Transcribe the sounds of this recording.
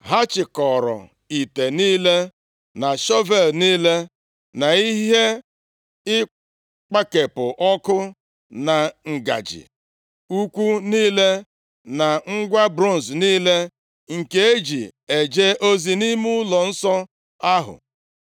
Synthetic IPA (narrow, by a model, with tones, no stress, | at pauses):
ɦa˦t͡ʃɪ˨kɔ˨ɾɔ̰˨ | i˨te˨niː˦le˦ | na˨ʃɔ˦ve˨lniː˦le˦ | na˨i˦ɦɦe˦ | ɪ˦ | k͡pa˦ke˨pʊ˨ʔɔ˦kʊ˦ | na˨ŋ̩˨ɡa̰˨d͡ʒɪ̰˨ | u˦kʷu˦niː˦le˦ | na˨ŋ̩˦ɡʷa˦bɾo˦n˨sniː˦le˦ | ŋ̩˨ke˨e˦d͡ʒi˨e˨d͡ʒe˦ʔo˦zi˨ni˦mu˦lɔ˨n̩˦sɔ˦ | a˦ɦʊ̰˨